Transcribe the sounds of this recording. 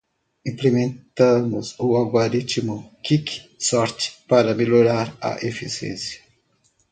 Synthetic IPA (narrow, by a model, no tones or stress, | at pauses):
ĩmplemẽnt̪ɐ̃mʊzʊaɡoɾit͡ʃimʊkiksɔɾt͡ʃɪ̥paɾɐmeloɾaɾɐ̰ʔefisḛ̃sjɐ̥